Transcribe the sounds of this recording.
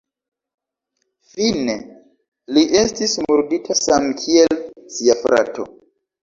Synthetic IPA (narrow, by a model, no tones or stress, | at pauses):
fine | liʔe̞stismuɾditʰasamkʰielsiafɾa̰to̰